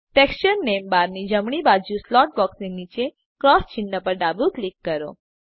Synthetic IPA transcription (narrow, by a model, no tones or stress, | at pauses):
ʈekst͡ʃəɾnembaɾnid͡ʒəmɽ̃ibad͡ʒũslɔʈ̚bɔksninit͡ʃe | kɾɔst͡ʃɪɳɖəpəɾɖabuklikːəɾo̰